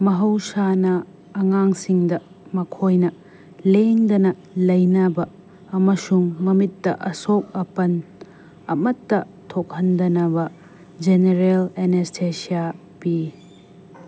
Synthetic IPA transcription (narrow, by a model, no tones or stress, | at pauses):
mɐɦɐwsanɐː | ŋaŋsiŋdɐ | mɐkʰojnɐ | leŋdɐnɐ | lɐjnɐbɐː | mɐsuŋmɐmitːɐʔɐsok̚ɐpɐn | ɐ̰mɐtːɐ | tʰok̚hɐndɐnɐbɐ | d͡ʒeneɾelenestʰesia | pi